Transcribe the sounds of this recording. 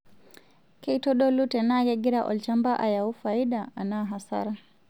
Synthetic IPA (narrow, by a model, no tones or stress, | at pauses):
kɛitɔɗɔlutɛnaɡɛɡiɾaʔɔ̰lt͡ʃambaʔa̰jaufaiɗaanaɦasa̰ɾa